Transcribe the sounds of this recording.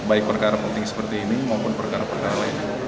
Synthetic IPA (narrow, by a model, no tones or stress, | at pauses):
baɪk̚pərkaɾapənt̪ɪŋsə̥pərt̪iːnimaupʊnpərkaɾapərkaɾalaɪn